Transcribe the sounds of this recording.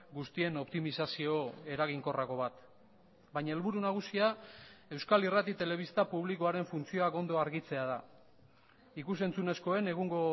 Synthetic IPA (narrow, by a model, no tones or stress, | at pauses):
ɡust̪ie̞no̞pt̪imisasio̞e̞ɾaɣ̞iŋko̞rako̞βat̪ | baɲae̞lβuɾunaɣ̞usiae̞wskalirat̪it̪e̞le̞βist̪apuβ̞likoaɾe̞ɱfunt͡sio̞ako̞nd̪o̞aɾɣit͡se̞að̞a | ikuse̞nt͡sune̞sko̞e̞ne̞ɣ̞uŋɡo̞